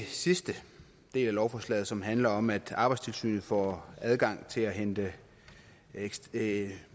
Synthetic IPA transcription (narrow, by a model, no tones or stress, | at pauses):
sisd̥ə | d̥e̝̰ːlælɒʊfɒːslɛ̰ːð̩ˠsɒ̽mɦænlɐɒ̽mæd̥ɑ̈ːb̥ɑ̈ɪdst͡sʰe̝lsy̰ːnð̩ˠfɒ̰æð̞ˠɡ̥ɑ̈ŋ̰t͡sʰe̝læɦend̥ə